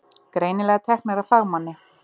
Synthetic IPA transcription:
kɾeːjnɪlɛɣat̪ʰɛhknaɾafaɣmanːɪ

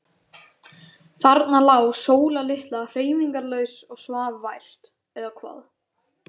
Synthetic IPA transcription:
θaɾt̪nalaːwsoːwlalɪht̪lar̥eːjviŋkaɾlœːɥsɔɣsvaːvvajr̥t̪ | ɛðakʰva̰ːð

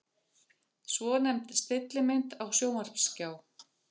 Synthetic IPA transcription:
svɔnɛmt̪st̪ɪt̪lɪmɪnt̪awsjoːwmaɾ̥pscaːw

